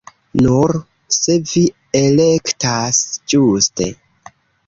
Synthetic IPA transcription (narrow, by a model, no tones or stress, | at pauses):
nuɾ | se̞vi | elektasd͡ʒuste̞̰